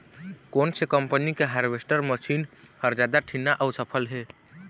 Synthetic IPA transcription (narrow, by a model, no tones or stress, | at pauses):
konsekəmpənikeɦaɾʋesʈəɾməʃinhəɾd͡ʒad̪aʈʰinaʔəʊsəpʰəlɦe